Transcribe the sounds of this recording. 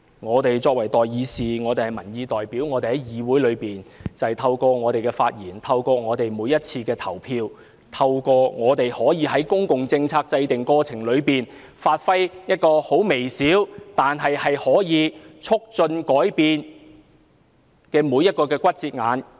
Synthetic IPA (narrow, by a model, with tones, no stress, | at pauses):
ŋɔː˨˧t̪e˨jt͡sɔː˧k̚wɐ˨˩jt̪ɔː˨˩jjiː˨˧siː˨ŋɔː˨˧t̪e˨jhɐ˨jmɐ˨˩njiː˧t̪ɔː˨jpiː˨˥wŋɔː˨˧t̪e˨jhɐ˨˦jjiː˨wuː˨˥jlɵ˨˧ɥpiː˨˩nt͡sɐ˨jt̪ʰɐ˧wkɔː˧ŋɔː˨˧t̪e˨jkɛː˧faː˧t̚jiː˨˩nt̪ʰɐ˧wkɔː˧ŋɔː˨˧t̪e˨jmuː˨˧jɐ˥t̚t͡sʰiː˧kɛː˧t̪ʰɐ˨˩wpʰiː˧w | t̪ʰɐ˧wkɔː˧ŋɔː˨˧t̪e˨jhɔː˨˥jiː˨˧hɐ˨˥jkʊ˥ŋkʊ˨ŋt͡sɪ˧ŋt͡sʰaː˧k̚t͡sɐ˧jt̪ɪ˨ŋkɔː˧t͡sʰɪ˨˩ŋlɵ˨˧ɥpiː˨n | faː˧t̚fɐ˥jjɐ˥t̚kɔː˧ho˨˥wme˨˩jsiː˨˥wt̪aː˨nɦɐ˨jhɐ˨jhɔː˨˥jiː˨˧t͡ʃʰʊ˥k̚t͡ʃɵ˧nkɔː˨˥jpiː˨n | kɛː˧muː˨˧jɐ˥t̚kɔː˧kɛː˧kʷɐ˥t̚t͡siː˧t̚ŋaː˨˧n